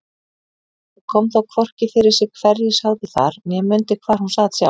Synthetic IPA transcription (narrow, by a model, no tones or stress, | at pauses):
kʰɔmθawkʰvɔr̥cɪfɪɾɪɾ̥sɪɣkʰvɛɾjɪshawtɪθa̰ɾmjɛmʏnt̪ɪkʰvaːɾ̥hunsaːðsja̰w